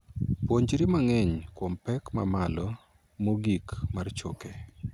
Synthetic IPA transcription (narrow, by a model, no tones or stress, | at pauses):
pwoɲd͡ʒɾimaŋɛɲkwɔmpɛkma̰malɔ | moɡikmart͡ʃo̰ke